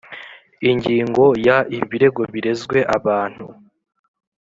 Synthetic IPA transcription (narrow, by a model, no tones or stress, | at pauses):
iɲɟiːŋɡo̞jaiβiɾe̞ɡo̞βiɾe̞zɡwe̞ʔaβaːn̥hu